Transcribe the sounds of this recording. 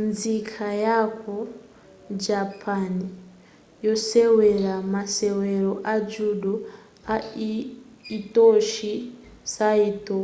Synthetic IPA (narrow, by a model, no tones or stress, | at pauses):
nzikʰajakʰo | d͡ʒapʰani | jo̞seweɾamaseweɾoʔad͡ʒuɗu | a | toʃi | saito